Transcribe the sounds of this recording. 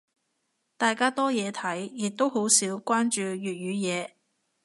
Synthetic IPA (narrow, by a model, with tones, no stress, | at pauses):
t̪aː˨˧jkaː˥t̪ɔː˥jɛː˨˧t̪ʰɐ˨˥jjɪ˨k̚t̪o˥who˨˥wsiː˨˥wkʷaː˥nt͡ʃyː˧ɥyː˨t̚ɥyː˨˧jɛː˨˧